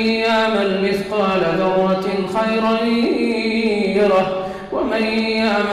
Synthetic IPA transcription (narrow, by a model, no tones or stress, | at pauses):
jaʕmalmɪθqɑːlaðɑrˤːɑxajɾan | ɾa | wamanjaʕm